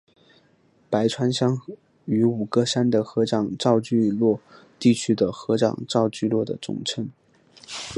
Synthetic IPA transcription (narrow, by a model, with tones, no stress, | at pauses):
pa˧˥ɪʈ͡ʂʰwa˥nɕjɑ˥ŋ | y˧˥u˨˩kɤ˥ʂa˥nd̪ə˨xɤ˧˥ʈ͡ʂɑ˨˩ŋʈ͡ʂɑ˥˧ʊt͡ɕy˥˧lwɔ˥˧ | t̪i˥˩t͡ɕʰy˥d̪ə˨xɤ˧˥ʈ͡ʂɑ̰˨˩ŋʈ͡ʂɑ˥˧ʊt͡ɕy˥˧lwɔ˥˩d̪ə̰˩ʈ͡ʂʊ̰˨˩ŋʈ͡ʂʰə˧˥n